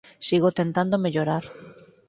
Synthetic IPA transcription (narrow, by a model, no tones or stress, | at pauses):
siɣot̪ent̪and̪omeʎoɾaɾ